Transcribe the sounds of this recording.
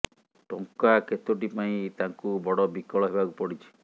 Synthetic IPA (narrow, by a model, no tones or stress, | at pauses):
ʈoŋkaket̪oʈipaĩt̪aŋkubɔɽɔbikɔɭɔɦebakupɔɽit͡ʃʰi̥